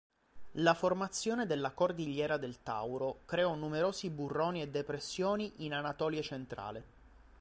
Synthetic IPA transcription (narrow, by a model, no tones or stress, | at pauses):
laformat̪sːjoːned̪elːakord̪iʎːɛːɾad̪elt̪a̰wɾokɾeɔnumeɾoːziburːoːnied̪ːepɾesːjoːniʔinanat̪ɔːljet͡ʃent̪ɾa̰ːle